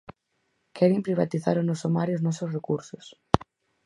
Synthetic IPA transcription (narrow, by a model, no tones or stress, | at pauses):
kʰɛɾimpɾiβa̰t̪iθa̰ɾonɔsomaɾjʊznɔsosrekuɾsʊs